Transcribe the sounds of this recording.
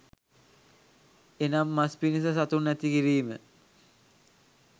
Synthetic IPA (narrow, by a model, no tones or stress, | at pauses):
enamːaspinis̬ɐsat̪unːæt̪ikiɾiːmə̰